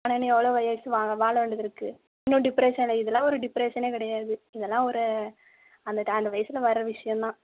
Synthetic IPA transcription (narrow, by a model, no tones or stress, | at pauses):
aːneːnːɯɛʋːɐɭoːʋɐjɐsɯʋaːɡʋaːɭɐʋeːɳɖɐðɪɾɯkːɯ | ɪnːũɖɪpɾeːʂɐnlɐɪðɛlːãːɔɾɯɖɪpːɾeːʂɐneːkɪɽɐjaːðɯɪðɛlːãːɔɾɯ | ɐnd̪ɐɐnd̪ɐʋɐjɐsɪlɐʋɐɾɯɾɐʋɪʂɐjɐ̃nt̪ãː